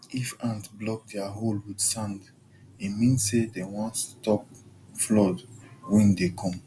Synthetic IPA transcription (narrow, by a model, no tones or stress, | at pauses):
ifãntblɔk̚dɛaɦolwidsãnd | imĩnsedewɔ̃ntstɔp̚flɔdwɛ̃ndekʰɔ̃m